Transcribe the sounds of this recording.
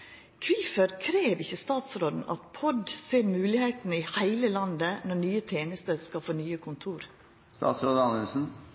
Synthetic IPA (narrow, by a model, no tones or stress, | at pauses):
kʰʋiːfəɾkʰɾeːʋɪçːəst̪ɑːt̪sɾoːd̪n̩ʔɑ̰t̪pʰɔd̪seːɾmʉːlɪheɪt̪nəɪhæɪləlɑnd̪ənɔɳyːət̪ʰeːnəst̪əɾskɑlfoːnyːəkʰʊnt̪ʰuːɾ | st̪ɑ̰ːt̪sɾoːd̪əɑnʉlsn̩